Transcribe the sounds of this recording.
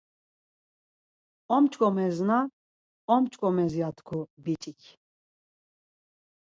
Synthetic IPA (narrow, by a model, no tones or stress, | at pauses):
ɔmt͡ʃʼkʼɔmɛzna | ɔmt͡ʃʼkʼɔmɛzjat̪ʰkʰubit͡ʃʼikʰ